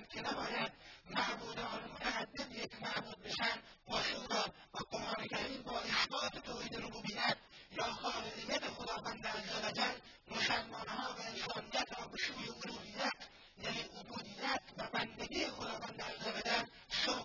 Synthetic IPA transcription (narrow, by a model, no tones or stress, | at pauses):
n̚kʲʰenæbɒːjæd̪̚maʔbuːd̪ɒːnemot̪ʰæhad̪ːed̪ijet̪emahbuːd̪̚beʃæn | bɒːʃumɾɒː | væɡomɑːɾɡæɾiːnbɒːeʃbɒːt̪ʰet̪ʰohiːd̪eɾobuːbijæt̪jɒːxɒːɾed͡ʒijæt̪ʰexod̪ɒːvænd̪æzzæbæd̪æn | moʃælmɒːnhɒːvæensɑːnijæt̪ɾɒːbeʃuːjeʔobuːd̪ijːæt̪ʰ | jæniːʔobuːd̪ijːæt̪væbænd̪eɡiːexod̪ɒːvænd̪æzzæbæd̪æn | ʃo